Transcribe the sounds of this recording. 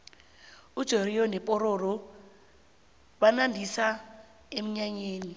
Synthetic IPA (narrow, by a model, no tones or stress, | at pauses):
ud̥ʒ̥ʱoɾiɔnɛpʼɔɾɔrɔ | banandʱisa | em̩ɲaɲeːni